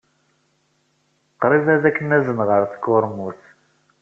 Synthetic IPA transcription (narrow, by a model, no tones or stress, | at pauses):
qːɾˤivæðækːənæzənʁəɾθə̥kːʊɾmuθ